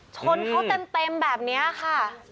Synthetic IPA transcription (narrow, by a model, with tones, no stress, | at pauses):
t͡ɕʰo˧nkʰa˦˥wt̪e˧mt̪e˧mbɛː˨˩p̚ni˦˥ɐkʰa˥˩